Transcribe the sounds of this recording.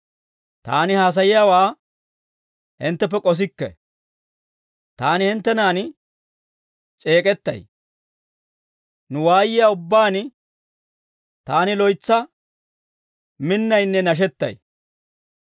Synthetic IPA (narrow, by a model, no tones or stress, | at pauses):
t̪a̰ːnɪhaːs̬ɐjɪjaːwaː | hɪnt̪ːɛp̬ːɛkʼɔs̬ɪkːɛ̰ | t̪aːnɪhɪnt̪ːɛnaːn | t͡ʃʼe̞ːkʼɛt̪ːɐ̰j | nʊwaːjɪjaːʊbːaːn | t̪aːnɪlɔjt͡sːɐ | mɪnːɐjnːɛnɐʃ̬ɛt̪ːɐ̰j